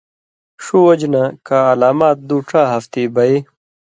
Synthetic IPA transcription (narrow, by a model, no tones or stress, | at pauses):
ʂuwɐd͡ʑnakaːlaːmaːt̪̚d̪uːʈ͡ʂaːɦɐft̪ibɐe